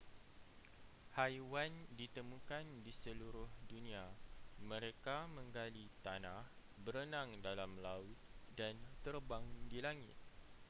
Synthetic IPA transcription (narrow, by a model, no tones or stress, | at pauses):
hajwandit̪əmũkandisəluɾʊhdunĩamə̃ɾekamə̃ŋɡalit̪anah | bəɾənãŋdalamlaʊt̪̚dant̪ərbaŋdilaŋɪ̰t̪̚